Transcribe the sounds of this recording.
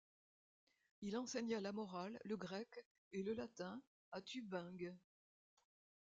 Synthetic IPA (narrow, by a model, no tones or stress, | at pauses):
ilɑ̃sɛɲalamɔʁalːəɡʁɛk | eləlat̪ɛ̃ | at̪ybɛ̃ɡ